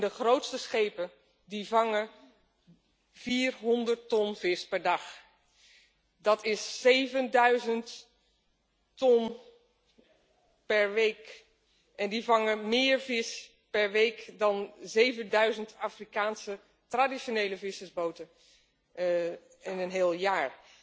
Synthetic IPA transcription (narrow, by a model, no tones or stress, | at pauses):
ndəχrowtstəsχejpə | divɑŋə | v̥iːrɦɔndəɹtɔnv̥ɪspɛɹdɑχ | dɑtɪsːejvəndœɥzənt | tɔn | pɛɹʋejk | ʔɛndivɑŋəmɪːɹvɪs | pɛɹʋejkdɑnzejvəndœɥzəntaːfrikaːnsə | tradiʃonejləvɪsəzbowtə | ɪnənɦeːlˠjaːɹ